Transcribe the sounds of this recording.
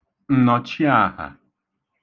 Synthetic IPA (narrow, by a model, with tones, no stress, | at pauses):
n̩˨nɔ˨t͡ʃi˦a˦˨ha̰˨